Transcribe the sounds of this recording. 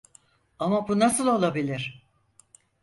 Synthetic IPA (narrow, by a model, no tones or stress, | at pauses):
amabunasɯlˠo̞lˠabilʲiɾ̥